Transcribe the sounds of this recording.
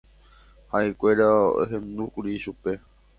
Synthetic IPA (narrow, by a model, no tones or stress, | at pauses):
haekʷe̞ɾao̰ɦẽ̞nd̪ukuɾiʃupe̞